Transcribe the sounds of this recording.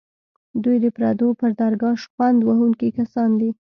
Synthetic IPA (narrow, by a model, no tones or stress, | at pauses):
d̪ujd̪əpɾɑd̪opəɾd̪ɑɾɡɑʃxwand̪waɦuŋkikasɑnd̪i